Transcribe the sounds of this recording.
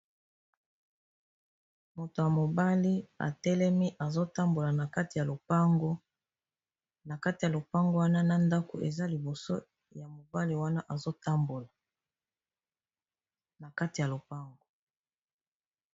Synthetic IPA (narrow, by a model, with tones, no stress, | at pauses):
mo˨to˨ja˨mo˨ba˦li˦a̰˨tɛ˦lɛ˦mi˦ʔa˨zo˦ta˦mbo˨la˨na˨ka˦ti˨ja˨lo˨pa˦ŋɡo˦ | na˨ka˦ti˨ja˨lo˨pa˦ŋɡo˦wa˦na˦na˦nda˦ko̰˨ʔḛ˨za˦li˨bo˨so˦ | ja˨mo˨ba˦li˦wa˦na˦ʔa˨zo˦ta˦mbo˨la˨ | na˨ka˦ti˨ja˨lo˨pa˦ŋɡo˨